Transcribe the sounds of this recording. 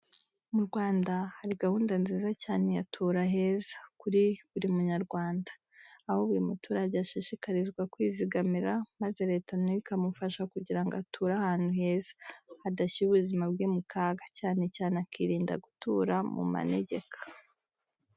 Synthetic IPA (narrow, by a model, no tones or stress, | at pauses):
muɾɡwaːndahaɾiɡahuːndanziːzacaːne̞jatʰuːɾaɦe̞ːzḁkuɾiβuɾimuɲaɾɡwaːndaː | ho̞βuɾimutʰuːɾaɟeaʃiʃikaɾizɡwakwiːziɡamiɾamaze̞ɾe̞ːtanuikamufaʃakuɟiɾaŋɡoatʰuːɾahaːnhuhe̞ːzḁadaçiuβuzimabɡemukaːɡḁcaːne̞caːnekiɾiːnda̰ɡutṵːɾamṵma̰nḛɟe̞kḁ